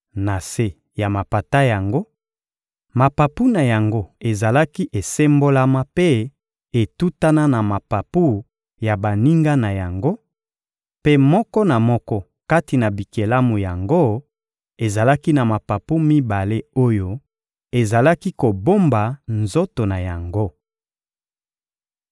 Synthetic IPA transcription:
na˨se˦ | ja˨ma˨pa˨ta˦ja˨ŋɡo˦ | ma˨pa˨pu˦na˨ja˨ŋɡo˦e˨za˨la˦ki˦ʔe˨se˦mbo˦la˦ma˦pe˦ | e˨tu˦ta˦na˦na˨ma˨pa˨pu˦ | ja˨ba˨ni˦ŋɡa˦na˨ja˨ŋɡo˦ | pe˦mɔ˦kɔ˦na˨mɔ˦kɔ˦ | ka˦ti˨na˨bi˨ke˨la˦mu˨ja˨ŋɡo˦ | e˨za˨la˦ki˦na˨ma˨pa˨pu˦mi˦ba˨le˦o˦jo˦ | e˨za˨la˦ki˦ko˨bo˦mba˨nzo˦to˨na˨ja˨ŋɡo˦

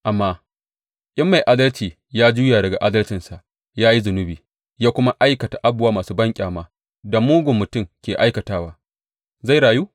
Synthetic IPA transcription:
ʔa˨mːaː˦ | ʔʲʼɪ˦mːa˨jʔa˨dɐ˦lt͡ʃiː˨ | jaː˦d͡ʒuː˦jaː˨dɐ˨ɡa̰˨ʔa˨dɐ˦lt͡ʃɪ˨nsa˨ʔ | jaː˦ji˦zʊ˨nʊ˦biː˨ | jaː˦kʷʊ˦ma˦ʔa˦jkɐ˨ta˨ʔa˦bʊ˨waː˦maː˨suː˦bɐ˦ŋkʲʼaː˨maː˦ | da˨moː˦ɡʷʊ˨mːʊ˨tʊ˦˨mkʲeː˨ʔa˦jkɐ˨taː˦waː˦ | za˦˨jɾaː˨juː˦

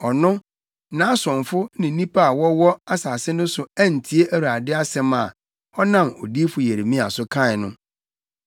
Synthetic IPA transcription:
ɔ˨nʊ̃˦ | nã˨˦sʊ̃˨ɱfʊ˦nɪ̃˨˦nĩ˦pʰa˦a˨wɔ˦wɔ˦a˦saː˨sɪ˦nʊ̃˦sʊ˨æ˦n̩˨tʰi˨e˦ʔæ˦wa˨dɪ˦a˦sɛ̃˦mã˨ | ɔ˦nã˦˨mɔ̰˨di˦fʊ˨je˨ɾi˨mĩ˦a̰˨sʊ˦kʰã˦ɪ˨nʊ̃˦

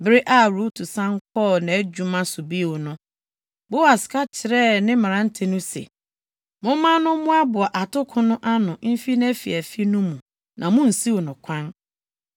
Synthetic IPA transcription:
bɪ˦ɾɪ˦ʔa˦˨ɾu˨˦tʰu˨sã˦ŋ˦kʰɔ˦˨nɛ̃˨˦d͡ʑᶣu˨mã˦sʊ˨bi˦˨wo˨nʊ̃˦ | bo˦a˨sɪ̥˨kʰa˦t͡ɕʰɪ˨ɾɛ˦nɪ̃˦mã˨ɾã˦n̩˦tʰe˨nʊ̃˦sɛ̰˨ | mʊ̃˦mã˦nʊ̃˦mʊ̃˦a˦bʊ˨a˨ʔa˨tʰʊ˦kʰʊ̃˦nʊ̃˦ʔa˦nʊ̃˨m̩˦fi˦nɛ˦fi˨ɛ˨fi˦nʊ̃˦mũ˨ | nʔã̰˨mʊ̃˦n̩˨si˦wo˨nʊ̃˨kʷʰã˦n

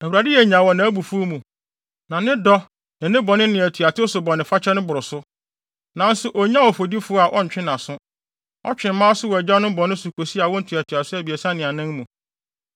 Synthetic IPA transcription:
æ˨wu˨ɾa˨dɪ˦ɛ˨ɲã˨wɔ˨nã˨æ˦bu˨fu˦o˦mũ˨ | nã˨nɪ̃˦dɔ˦ | nɪ̃˨nɪ̃˦bɔ˨nɪ̃˦nɪ̃˨æ˨tʰu˨a˨tʰɪ˦ʊ˦sʊ˨bɔ˨nɪ̃˨fa˦t͡ɕʰɛ˦nʊ̃˦bʊ˨ɾʊ˨sʊ˦ | nã˨n̩˦sʊ˨ʔɔ˨ɲã˦wɔ˨fo˨di˦fʊ˦a˨ʔɔ˦ɲ̩˨t͡ɕᶣɪ̃˦nã˨sʊ˦ | ɔ˦t͡ɕᶣɪ̃˨m̩˦mãː˦sʊ˦wɔ˨ɛ˨d͡ʑᶣa˦nʊ̃˦bɔ˨nʊ̃˦sʊ˨kʰo˨si˦a˨wɔ̃˦n̩˦tʰu˨æ˨tʰu˨a˨sɪ˦ɛ˨bi˨e˨sa˦nɪ̃˨a˨nɪ̃˦n˦mũ˨

